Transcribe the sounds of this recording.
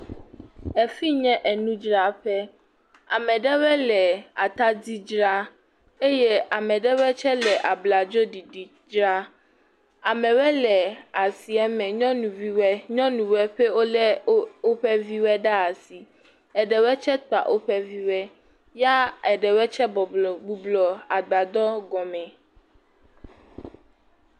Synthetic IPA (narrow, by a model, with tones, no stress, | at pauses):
ɛ˨fi˦ɲɛ̃˦ʔɛ˨nũ˦d͡ʒɾa˦ɸɛ˦ | a˨mɛ̃˨ɖɛ˦wɛ˦lɛ˨a˨t̪a˦di˦d͡ʒɾa˦ | e˦jɛ˦a˨mɛ̃˨ɖɛ˦wɛ˦t͡ʃɛ˦lɛ˨ʔa˨bla˨d͡ʒo˦di˨ɖi˨ | d͡ʒɾa˦ | a˨mɛ̃˨wɛ˦lɛ˨a˨si˨ɛ˦mɛ̃˨ɲɔ̃˦nũ˨vi˦wɛ˦ɲɔ̃˦nũ˨wɛ˦ɸɛ˦wo˦lɛ˦o˦ɸɛ˦vi˦wɛ˦ɖa˦a˨si˨ | ɛ˨ɖɛ˨wɛ˦t͡ʃɛ˦t̪a̰˨ʔo˦ɸɛ˦vi˦wɛ˦ | ja˦ɛ˨ɖɛ˨wɛ˦t͡ʃɛ˦bɔ˨ɡ͡bu˦blɔ˨a˨ɡ͡ba˨d̪ɔ˦ɡɔ˨mɛ̃˨